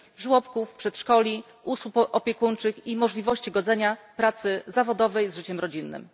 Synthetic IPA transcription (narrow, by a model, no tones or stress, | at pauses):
ʐwɔpkufpʂɛt̪ʂkɔlʲi | ʔuswupɔpʲɛkunt͡ʂɘkimɔʐlʲivɔɕt͡ɕiɡɔd̪zɛɲapɾat̪sɘzavɔd̪ɔvɛjzʐɘt͡ɕɛmɾɔd͡ʑinːɘ̰m